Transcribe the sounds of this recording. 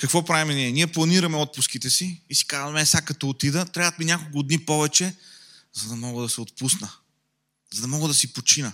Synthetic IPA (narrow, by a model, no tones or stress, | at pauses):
kɐkvɔpɾavimɛniɛniɛplˠɐniɾɐmɛɔt̪̚pʊskit̪ɛsiːsi̥kazvɐmɛɛsakɐt̪ɔːt̪id̪ət̪ɾʲaət̪minʲakolˠkʊd̪nipɔvɛt͡ʃɛ | zɐd̪ɐmɔɡəd̪ɐsɛot̪pusnə | zɐd̪ɐmɔɡəd̪ɐsipot͡ʃinə